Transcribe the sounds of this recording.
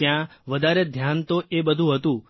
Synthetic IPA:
jãʋəd̪ʱaɾed̪ʱjant̪oʔebəd̪ʱũɦət̪ũ

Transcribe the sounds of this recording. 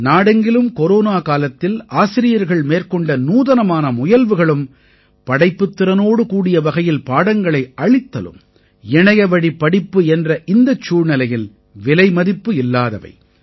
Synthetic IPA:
naːɽɐŋɡɪlɯmkɔɾoːnaːkaːlɐt̪ːɪlʔaːsɪɾɪjɐɾɣɐɭmeːrkɔɳɖɐnuːðɐnɐmaːnɐmʊjɐlʋɯɣɐɭɯm | pɐɽɐɪpːɯt̪ːɪɾɐnoːɽɯkuːɽɪjɐʋɐɣɐjɪlpaːɽɐŋɡɐɭɐɪʔɐɭɪt̪ːɐ̰lɯ̰m | ɛɳɐjɐʋɐɽipːɐɽɪpːɯɛndrɐʔɪnd̪ɐt͡ʃːuːɻnɪlɐjɪl | ʋɪlɐɪmɐðɪpːɯɪlːaːðɐʋɐ̰ɪ

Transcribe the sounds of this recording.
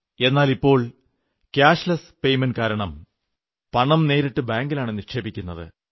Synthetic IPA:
e̞nːaːlipːo̞ːɭ | kaːʂlɐs | pe̞jmenkaːɾɐɳɐm | pɐɳɐmne̞ːɾiʈːɨbaːŋɡilaːɳɨnirʂe̞ːbikʲːunːɐðɨ̰

